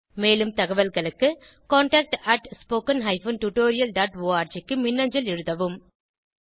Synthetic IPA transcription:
meːlɯmt̪ɐɣɐʋɐlɣɐɭɯkːɯ | koːɳʈaːk̚ʈɐʈspoːkɐnɦɐɪfɐnʈuʈoːɾɪjɐlɖaːʈʋoːaːɾt͡ʃɪkːɯmɪnːɐɲd͡ʒɐlɪɻɯðɐʋɯm

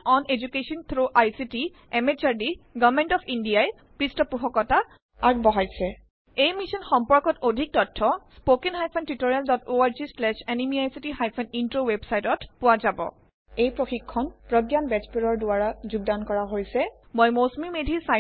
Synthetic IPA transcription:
ɔned͡ʒukesɔnt̪ʰɹoʔajsiti | ɛmet͡ʃaɹdiɡɔvmentɔpʰindijaj | pɹistɔpuɦɔkɔta | aɡ̚bɔɦajsɛ | ejmisɔnxɔmpɔɹkɔtodʱik̚tɔtʰːɔspokenɦajpʰɔntɹitoɹijaldɔtoaɹzislɛʃɛnimiajsitiɦajpʰɔnintɹowebsajtɔtpʊwazabɔ̰ | ejpɹoxikʰːɔnpɹɔdjanbɛt͡ʃpeɹɔɹdʊaɹazuɡ̚dankɔɹaɦojsɛ | mojmosmimedʱisa

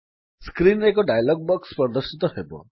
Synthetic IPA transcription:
skɾinek̬ɔɖajlɔɡ̚bɔkspəɾd̪əɾʃit̪ɔɦebɔ̰

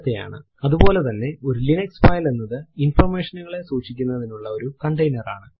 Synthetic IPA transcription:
t̪ːeja̰ːɳɨ | ɐðubo̞ːle̞t̪ɐnːe̞o̞ɾulinɐksfaːjlenːɐðɨinfɐrme̞ːʂɐnuɣɐɭe̞suːʂikʲːunːɐðinuɭːɐo̞ɾukɐɳɖɐjnɐra̰ːɳɨ

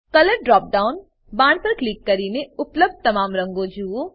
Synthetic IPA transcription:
kɐləɾɖɾɔːp̚ɖaːʊn | baːɳɖpɐɾkliːkːɐɾiːneʊpləb̚d̪̚t̪ɐmaːmɾɐ̃ŋɡõd͡ʒuːõ

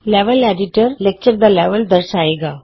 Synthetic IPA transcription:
lɛʋəlɛɖiʈəɾlek̚t͡ɕəɾd̪alɛʋəld̪əɾsaeɡa

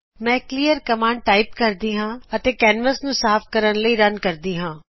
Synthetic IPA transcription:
mɛ̃ːkliːəɾkəmãːɳɖ̚ʈaːiːpkəɾd̪iːɦãːət̪eːkɛːnʋəsnũːsaːpʰkəɾənləiːɾənkəɾd̪iːɦãː

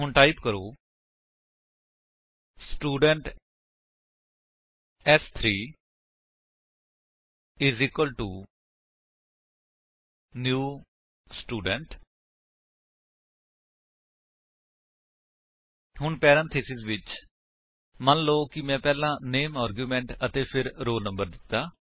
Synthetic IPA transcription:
ɦʊɳʈaːɪpkəɾoː | sʈuːɖəɳʈ | ɛst̪ʰɾiː | ɪziːkwəlʈuː | njuː | sʈuːɖəɳʈ | hʊɳpɛːɾə̃nt̪ʰeːsɪzʋɪt͡ʃ | mənloːkɪmɛ̃ːpɛːlãːneːmaːɾɡjuːmɛ̃ːɳʈət̪eːpʰɪɾɾoːlnə̃mbəɾd̪ɪt̪ːaː

